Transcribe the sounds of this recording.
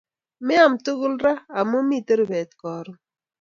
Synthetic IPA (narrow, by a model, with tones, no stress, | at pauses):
mɛ˦a˨mtu˦ɣʊ˦lɾa˦a˨mo˦mi˦˨te˦ɾbɛ˨t̪̚kɔː˨ɾʊ˦